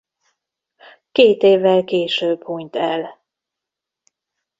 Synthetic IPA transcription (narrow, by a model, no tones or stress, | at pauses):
keːt̪eːvːɛlkeːʃøːbhuɲt̪ɛl